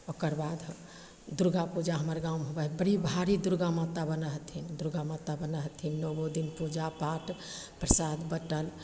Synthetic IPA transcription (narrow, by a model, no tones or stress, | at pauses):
okəɾbad̪ | d̪uɾɡapud͡ʒaɦəməɾɡamɦobəɦbəɽibʱaɾid̪uɾɡamat̪ːabənəɦt̪ʰind̪uɾɡamat̪ːabənəɦt̪ʰinːɔbod̪inpud͡ʒapaʈ | pɾəsad̪bəʈəl